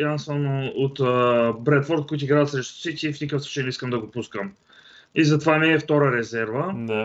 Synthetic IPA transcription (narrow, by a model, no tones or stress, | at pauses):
jansanoot̪ːbɾɛt̪fɔɾt̪̚koit̪uiɡɾaət̪sɾɛʃt̪o̥sɛt̪ʲifnʲikəfsˠu̥t͡ʃɛjnɛiskəmd̪ɐɡopuskəm | izɐt̪ovanɛːft̪ɔɾəɾɛzɛɾvə